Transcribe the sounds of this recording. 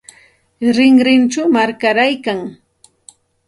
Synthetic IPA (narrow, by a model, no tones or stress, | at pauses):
ɾɪŋɾɪnt͡ʃamaɾkaɾajkaŋ